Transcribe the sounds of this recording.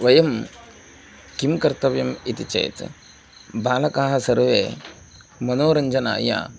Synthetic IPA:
ʋɐjɐm | kimkɐɾt̪ɐʋjɐmit̪it͡ʃḛːt̪ | baːlɐkaːɦɐsɐɾʋḛː | mɐnoːɾɐɲd͡ʒɐna̰ːja̰ː

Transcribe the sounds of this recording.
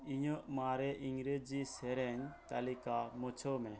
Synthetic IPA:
iɲɔʔmaɾɛʔiŋɡɾed͡ʒisɛɾɛɲt̪alikamɔt͡ʃʰɔmɛ

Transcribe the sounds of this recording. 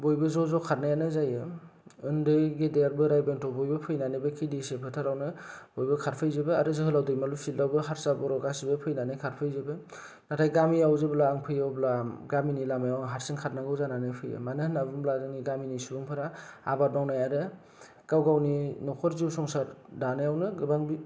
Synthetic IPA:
bojbɯzɔzɔkʰaɾnajanɯzajɯɯndɯjɡedeaɾbɯɾajbentʰɔbojbɯpʰɯjnanɯbɯkʰidisepʰɯtʰaɾawnɯbojbɯkʰaɾpʰɯjzɯbɯa̰ɾɯzɯɦɯlawdɯjmalusildawbɯɦaɾsabɔɾɔɡasibɯpʰɯjnanɯjkʰaɾpʰɯjzɯbɯ | natʰajɡamiawzɯblaːŋpʰɯjawblaɡaminilamajawŋɦaɾsiŋkʰat̚naɡɯwzananɯjpʰɯjɯ̰manɯhɯnabɯmbladɯniɡaminisubɯŋpʰɯɾaa̰bat̚nawnajaɾɯ | ɡ̥awɡawninɔkʰɔɾziwsɔŋsaɾdanɯjawnɯɡɯbaŋbi

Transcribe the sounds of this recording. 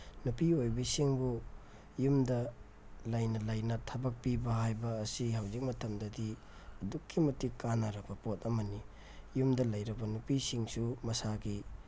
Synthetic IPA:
nupiojbɐsiŋbu | jumdɐ | lɐjnɐlɐjnɐtʰɐbɐk̚pibɐɦajbɐːsiɦawzik̚mɐtʰɐmdɐdi | ɐdukʰːimɐtːikanaɾɐbɐpot̚ɐmɐni | jumdɐlɐjɾɐbɐnupisiŋsumɐsaɡi

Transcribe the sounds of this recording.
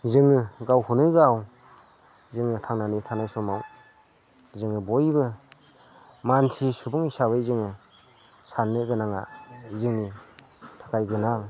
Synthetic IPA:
zɯŋɯɡawhunɯɡaw | zɯŋɯtʰaŋnanitʰanajsɔmaw | zɯŋɯbɔjbɯ | mansʰisubuŋisaβɯjzɯŋɯ | sanːɯɡɯnaŋa̰zɯŋni | tʰḁkʰajɡɯnaŋ

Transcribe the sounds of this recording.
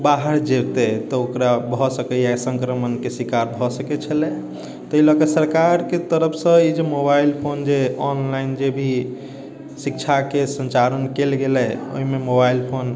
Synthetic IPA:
baɦəɾd͡ʒeɾt̪et̪ɔokɾabʱɔsəkɛjasə̃ŋkɾəmənkesikaɾbʱɔsəkɛt͡ʃʰəlɛ | t̪ɔilɔkəsəɾkaɾket̪əɾəpʰsə̃id͡ʒemobailpʰond͡ʒeɔnlaind͡ʒebʱi | sikt͡ʃʰakesənt͡ʃaɾənkelɡelɛo̰ɦimemobailpʰon

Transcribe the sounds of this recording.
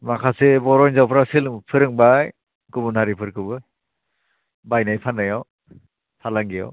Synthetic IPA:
makʰasebɔɾɔjnzawpʰɾasilɯŋpʰɯɾɯŋbaj | ɡubunaɾipʰɯɾkʰɯbɯ | bajnajpʰanajɔw | pʰalaŋɡijɔ̰w

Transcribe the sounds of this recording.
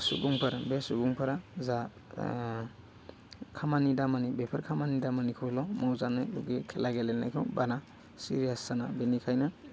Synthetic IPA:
sṵbuŋpʰɐɾbesubuŋpʰɐɾaza | kʰamanidamanibepʰɐɾkʰamanidamanikʰɯwlɔmawzanɯlṵɡekʰelaɡelenajkʰɯwbana | sḭɾijasːanabenikʰajna

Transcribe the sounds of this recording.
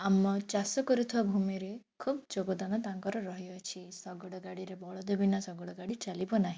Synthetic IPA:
amɔt͡ʃasɔkɔɾut̪ʰuwabʱumiɾekʰubd͡ʒoɡɔd̪anɔt̪aŋkɔɾɔɾɔɦiɔt͡ʃʰisɔɡɔɽɔɡaɽiɾebɔɭɔd̪ebʱinasɔɡɔɽɔɡaɽit͡ʃalibɔnaɦĩ

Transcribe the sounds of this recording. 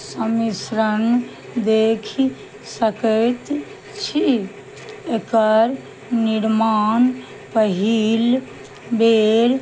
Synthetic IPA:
səmisɾən | d̪ekʰi | səkət̪ | t͡ʃʰi | ekəɾ | niɾman | pəɦil | beɾ

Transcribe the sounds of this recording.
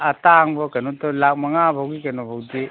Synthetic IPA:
ataŋbɔkanutɔlak̚maŋabʱawɡikanɔbʱawde

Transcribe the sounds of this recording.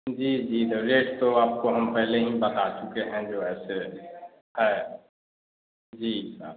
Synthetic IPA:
d͡ʒiːd͡ʒiːd̪əɾeːʈt̪oaːp̚koɦɐmpɛɦleɦĩbɐt̪at͡ʃʊkeɦɛ̃d͡ʒoːɛːse | hɛː | d͡ʒiːa̰

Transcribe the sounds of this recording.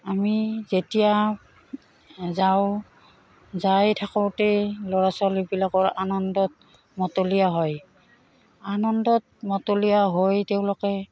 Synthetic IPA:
amizetija | zaʊ | zajtʰakɔwtelɔɹasɔalibilakɔɹanɔndɔt̚ | mɔtolijaɦɔj | anɔndɔt̚mɔtolijaɦojteʊ̃lɔkɛ

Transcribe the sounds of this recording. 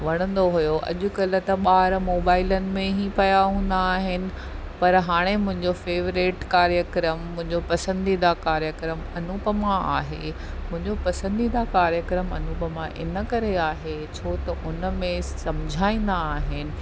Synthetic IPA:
ʋɐɽ̃ə̃nd̪oɦujoʔɐ̰ʄʊ̆kɐlət̪ɐɓaːɾmoːbaːɪlənɪ̆mẽɦipɐjaɦũːn̆d̪aːɦɪnɪ̆ | pɐɾɦaːɽ̃emʊ̃ɦɪ̃ɲd͡ʑofeːʋɾɪʈkaːɾjəkɾəmːʊ̃ɪ̃ɲd͡ʑopɐsə̃nd̪id̪akaːɾjəkɾəmɐnuːpəmãʔaːɦḛ | mʊ̃ɦɪ̃ɲd͡ʑopɐsə̃nd̪iːd̪akaːɾjəkɾəmɐnuːpəmãʔɪ̰nə̆kɐɾeaːɦe | t͡ɕʰoːt̪ɐʔʊnə̆mẽsɐmd͡ʑʱaːĩːn̆d̪aːɦɪnɪ̆

